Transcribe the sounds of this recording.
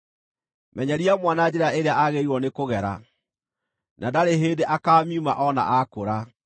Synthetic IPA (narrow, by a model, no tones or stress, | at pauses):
mʔɛɲaɾiamwanad͡ʑɛɾeaeɾeaʔaɣeiɾwɔnekoɣɛɾa̰ | nadaɾeɦeːndeʔakaːmiuma̰ʔɔna̰ʔakoɾa